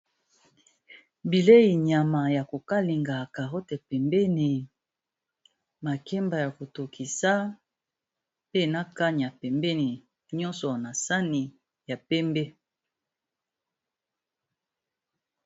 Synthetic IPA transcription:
bi˨le˦ji˨ɲa˨ma˨ja˨ko˨ka˦li˨ŋɡa˨ka˨ʁo˦te˨pɛ˨mbɛ˦ni˨ | ma˨kɛ˦mba˨ja˨ko˨to˨ki˨sa˦ | pe˦na˦ka˦ɲ˨a˨pɛ˨mbe˦ni˨ | ɲɔ̃˦nsɔ˨na˨sa˦ni˨ | ja˨pɛ˦mbe˦

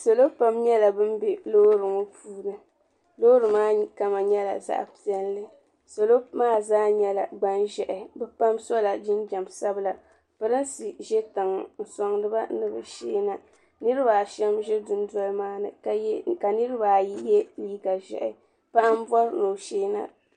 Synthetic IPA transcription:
so˨lo˦pa˨mɲɛ˦la˨bɨ˦mbe˨loː˦ɾɨ˨ŋo˦puː˦nɨ˨ | lo˦ɾɨ˨maː˦ka˨ma˨ɲɛ˦la̰˨za̰˨ʔpi˦ɛ˦nlɨ˦ | so˨lo˦maː˦˨zaː˦ɲɛ˦la˨ɡ͡ba˦nʒɛ˨ʔɪ˨bɛ˦pa˦msɔ˦la˨d͡ʒɪ˦nd͡ʒa˨msa˦bɨ˨la˨ | pɨ˦ɾɨ˦n˦si˨ʒɛ˦tɨ˨ŋ˨n̩˨sɔ˨ŋnɨ˦ba˦nɨ˨bɨ˨ʃeː˦na˨ | nɨ˦ɾɨ˦ba˨ʃɛ˦mʒɛ˦dʊ˦n˦dɔ˦lmaː˦nɨ̰˨˦ka˨nɨ˦ɾɨ˦ba˨ji˦jɛ˦liː˦ɡa˨ʒɛ̰˨ʔɪ˦ | pa˦ʔm˦bɔ˦ɾno˨ʃeː˦na̰˨

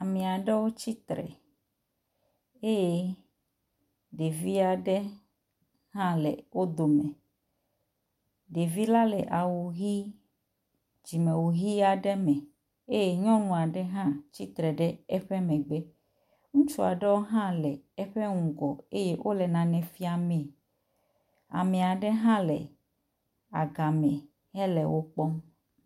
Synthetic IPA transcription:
a˨mĩ˨a˨ɖe˦wo˦t͡ɕi˦t̪ɾɛ̰˨ | e˦je˦ | ɖe˨vi˦a˨ɖe˦ | ɦã˦lɛ˨wo˦d̪o˨mɛ̃˨ | ɖe˨vi˦la˦lɛ̰˨ʔa˨wu˨ɣi˦ | d͡ʑi˨mẽ˨wu˨ɣi˦a˨ɖɛ˦mɛ̃˨ | e˦je˨ɲɔ̃˦nũ˨a˨ɖɛ˦ɦã˦t͡ɕi˦t̪ɾɛ˨ɖɛ˦ɛ˦ɸɛ˦mɛ̃˨ɡ͡bɛ˦ | ŋũ˦t͡ʃu˦a˨ɖe˦wo˦ɦã˦lɛ˨ɛ˦ɸe˦ŋũ˨ɡɔ˨e˦je˦wʔo˦lɛ˨nã˨nɛ̃˨fi˦a˨mɛ̃˨ | a̰˨mɛ̃˨a˨ɖe˦ɦã˦lɛ̰˨ | a̰˨ɡa˨mɛ̃˨ | ɦɛ˦lɛ˨wʔo˦k͡pɔ˦m

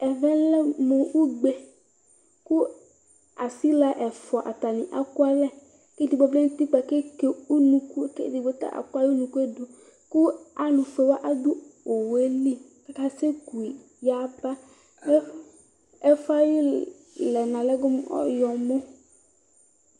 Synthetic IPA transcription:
ɛ˨vɛ̃˦lɛ˦mo˨ʔu˦ɡ͡be˨ | ku˦ | a˨si˦la˨ʔɛ˨fɔ˨ʔa̰˨t̪a˨nĩ˨ʔa˨ku˦a˦lɛ˦ | ke˦di˨bɔ˨blɛ˦ŋ̩˦t̪i˦k͡pa˨ke˦ke˨u˦nũ˨ku˦kḛ˦di˨bo˨˦t̪a̰˦ʔa̰˨ku˦a˦jnũ˨ku˦e˦du˨ | ku˦a˨nũ˨fe˨wa˦ʔa˦d̪u˦o˨we˦li˦ | ka˦ka˦se˦ku˨i˨ | ja˨˦ba˦ | ɛ˦fa˦ji˦ | lɛ˨nã˨lɛ˦ɡo˦m˦ɔ̰˦jɔ˨mo˦

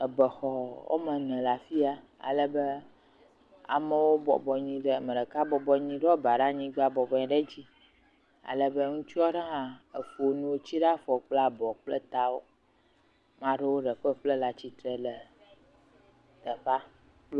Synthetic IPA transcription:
ə˨bə˨xɔ˨wo̰˦mə̃˨nɛ̃˨la˨fi˦a˦ | a̰˨lə˦bə˦ | a̰˨mə˨wo˦bɔ̰˨bɔ˨ɲĩ˦ɖə˦˨mə̃˨ɖə˨ka˦bɔ˨bɔ˨ɲĩ˦ɖɔ˦ba˨ɖa˦ɲĩ˦ɡ͡ba˨bɔ˨bɔ˨ɲĩ˨ɖə˦d͡ʑi˦ | a̰˨lə˦bə˦ŋũ˦t͡ʃu˦ɔ˦ɖə˦ɦã˦ə˨fo˨nũ˦wo˦t͡ɕi˦ɖa˦fɔ˨k͡pla˦bɔ˨k͡plə˦t̪a˦wo˦ | mã˦ɖə˦wo˦ɖə˨ɸə˦ɸlə˦la˨t͡ɕi˦t̪ɾə˦lə˨ | t̪ə˨ɸa˦ | l

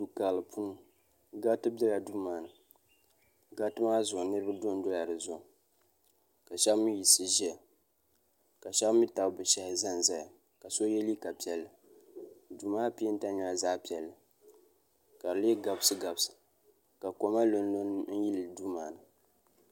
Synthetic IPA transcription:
du˨ka˨lɨ˨pʰu˦nɨ˨ | ɡa˦btɨ˦bɛ˦la˨du˦maː˨nɨ˨ | ɡa˦btɨ˦ma˦zʊ˨ʔnɨ˦ɾɨ˦ba˦do˦n˦dʊ˦la˨dɨ˨zʊ˨ʔ | ka˨ʃa˦mi˦ji˨sɨ˨ʒi˦a˨ | ka˨ʃɛ˦kmi˦ta˨bbɨ˨ʃɛ˦hza˦nza˦ja˨ | ka˨so˦jɛ˦li˦ka˨pi˨ɛ˨lːɨ˨ | du˨maː˦pi˦n̩˦ta˦ɲɔ˦a˨za˦pi˨ɛ˨lːɨ˨ | ka˨le˦ɡa˨bsɨ˦ɡa˨bsɨ̥˨ | ka˨ko˨ma˦lo˨n˦lo˦n̩˦ji˦lɨ˨du˦maː˨nɨ˨

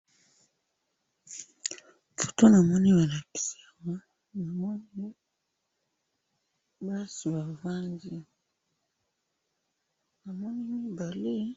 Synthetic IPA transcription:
fo̥˨to˦na˨mɔ˦ni˦ba˨la˨ki̥˨si˨a˨ma˦ | na˨mɔ˦ni˦ | ba˦si˨ba˨va˦ndi˦ | na˨mɔ˦ni˦mi˦ba˨le˦

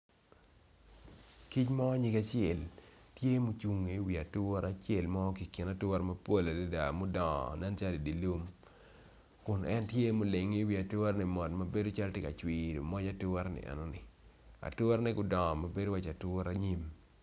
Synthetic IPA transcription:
ki˦t͡ʃma˦wa˦ɲi˦ka˦t͡ʃjɛ˨ltje˦mo˦t͡ʃu˨ŋːe˨˦wi˨a˨tʊ˦ɾa˦t͡ʃje˦˨lmɔ˦ki˨ki˨na˦tʊ˦ɾmɐ˦po˦la˨de˦da˨mo˦dɔ˨ŋɔ̰˨nɛ˦nt͡ʃa˦di˨di˨lu˦m | kʊ˨nʔɛ˦ntje˦mo˨le˨ŋi˦wi˨a˨tʊ˦ɾnɪ˨mɔ˨tma˨be˦do˦t͡ʃa˦ltje˦ka˨t͡ʃwi˦ɾo̰˨mɔ˦d͡ʒa˦tʊ˦ɔ˦ɾnɪ̰˨ʔɛ̰˨nɔ˦nɪ˨ | a̰˨tʊ˦ɾnɛ˦ɡʊ˨dɔ˨ŋɔ˨ma˨be˦do˦wa˦t͡ʃa˨tʊ˦ɾa˦ɲi˦m

